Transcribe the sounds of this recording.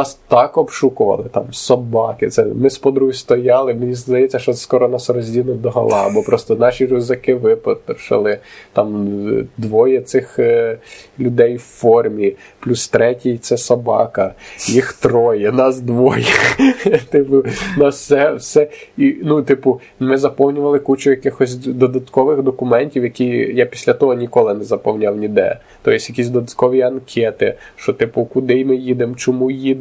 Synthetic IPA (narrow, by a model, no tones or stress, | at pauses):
nɑst̪ɑkɔbʃukʊʋɐ̰lˠɪt̪ɑmsɔbɑkɪt̪sɛmɪspɔd̪ɾust̪ɔjɑlˠɪmenʲizd̪ɐjɛt͡sʲːɐʃt͡ʃɔɛskɔɾɔnɑsrɔzʲdʲinˠʊd̪ɔɦɐ̰lˠɑ̰ɐbɔpɾɔst̪ɔnɑʃʲirʊzɐkɪʋɪpɔt̪ʃɪ̰lˠɪt̪ɑmd̪ʋɔjɛt̪sɪx | lʲʊd̪ɛjwfɔrmʲi | plʲust̪ɾɛtʲijt̪sɛsɐbɑ̰kɐjixt̪ɾɔjɛnɑzd̪ʋɔjɛxt̪ɪpʊnɑssɛwsɛinut̪ɪpʊ | mɪzɐpɔwnʲʊʋɐlˠɪkut͡ʃʊjɐkɪxɔsʲd̪ɔd̪ɐt̪kɔʋɪxd̪ɔkʊmɛnʲtʲiwjɐkʲijapʲi̥sʲlʲɐt̪ɔɦɔnʲikɔlˠɪnɛzɐpɔwnʲawnʲid̪ɛ̰ɐ̰ | t̪ɔjɪsʲjɐkʲisʲd̪ɔd̪ɐt̪̚kɔʋʲiɐnkʰɛt̪ɪʃt͡ʃɔt̪ɪpʊkʊd̪ɪjmɪjid̪emt͡ʃɔmujid̪